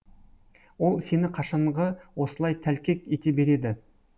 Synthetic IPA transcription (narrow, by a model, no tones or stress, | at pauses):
wo̞lˠse̞nɪqʰɑʃɑɴʁəwo̞səlˠɑjt̪ʰælkʲe̞ke̞t̪e̞be̞ɾe̞d̪ɪ